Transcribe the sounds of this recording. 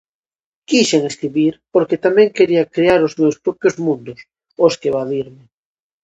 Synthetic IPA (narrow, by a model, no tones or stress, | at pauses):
kiʃeŋeskɾiβiɾpoɾket̪amɛ̃ŋkeɾiakɾeaɾozmewspɾopjozmũnd̪ʊs | oskeβaðiɾme